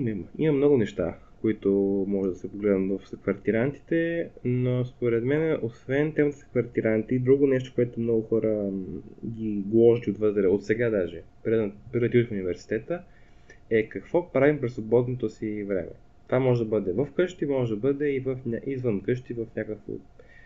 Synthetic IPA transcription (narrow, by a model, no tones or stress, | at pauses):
nmimɐmnɔɡʊnɛʃt̪a̰ | koit̪omɔʒɛd̪ɐsɛpoɡlɛd̪nət̪vɐfsɐkvɐɾt̪iɾant̪i̥t̪ɛnospoɾɛt̪mɛnosvɛnt̪ɛmət̪ə̥sɐ̥kvɐɾt̪iɾant̪it̪iid̪ɾuɡonɛʃt̪o̥koɛt̪omnɔɡʊxɔɾə | ɡʲiɡlˠɔʒd̪iot̪vɤt̪ɾɛot̪sɛɡad̪aʒɛpɾɛpɾid̪ət̪ʲuifʊnivɛɾsi̥t̪ɛt̪ə | ɛkɐkvɔpɾavimpɾɛsvobɔd̪not̪osivɾɛ̰mʔɛ̰ | t̪vamɔʒɛd̪ɐbɤd̪ɛvəfkɤʃt̪imɔʒɛd̪ɐbɤd̪ɛivəfnʲʔizvənkɤʃt̪ivəfnʲakəkvo̰